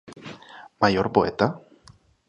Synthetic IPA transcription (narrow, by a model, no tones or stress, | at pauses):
majoɾpoet̪a